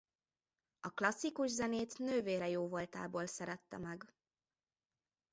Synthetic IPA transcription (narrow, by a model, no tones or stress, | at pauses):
ɒklɒsːikuʒzɛneːt̪nøːveːɾɛjoːvo̞lt̪a̰ːboːlsɛɾɛt̪ːɛ̰mɛɡ